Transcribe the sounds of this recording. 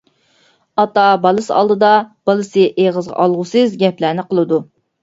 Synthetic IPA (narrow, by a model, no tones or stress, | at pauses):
ɑt̪ɑbɑlˠɨsɑ̰lˠd̪ɨd̪ɑb̥ɑlˠɨsɨʔeʁəzʁɑ̰ʔɑlˠʁʊsɨzɡʲɛplæːnɪqʰəlˠɨd̪u